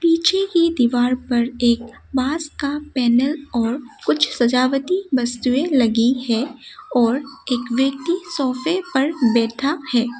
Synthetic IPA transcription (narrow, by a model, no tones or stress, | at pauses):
piːt͡ʃʰekid̪iʋaːɾpɐɾeːk̚ | baːskapɛːnəlɔːɾkʊt͡ʃʰsɐd͡ʒaːʋət̪ibɐst̪uẽlɐɡihɛɔːɾeːkʋjək̚t̪isɔːfepɐɾbɛːʈʰahɛː